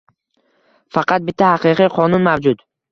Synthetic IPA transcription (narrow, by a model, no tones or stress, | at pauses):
fɑqʰɑt̪̚bɪt̪ʰːahaqɨqʰɨqʰɒnʊnmavd͡ʒʊt̪